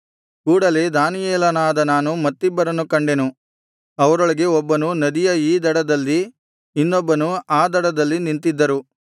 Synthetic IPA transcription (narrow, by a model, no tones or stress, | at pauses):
kuːɽɐle̞d̪aːnijɛːlɐnaːd̪ɐnaːnumɐt̪ːibːɐɾɐnukɐɳɖe̞nu | ɐʋɐɾoɭiɡe̞ɔbːɐnunɐd̪ijɐiːd̪ɐɽɐd̪ɐlːiː | nːɔbːɐnuaːd̪ɐɽɐd̪ɐlːinint̪id̪ːɐɾu